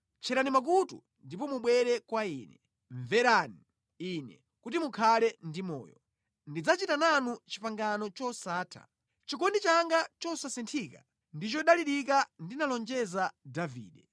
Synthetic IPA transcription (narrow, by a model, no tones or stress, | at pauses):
t͡ʃʰɛɾanimak̬utṵ | ndipɔmuɓwɛɾɛkwaiːnɛ | ɱvɛɾani | inɛ̰ | kutimukʰalɛndimɔ̰ːjɔ | ndid͡zat͡ʃitananut͡ʃi̥paŋɡanɔt͡ʃɔsaːtʰa̰ | t͡ʃikɔndit͡ʃaŋɡat͡ʃɔsasintʰika | ndit͡ʃɔɗaliɾikandinalɔnd͡ʒɛzadavḭːɗɛ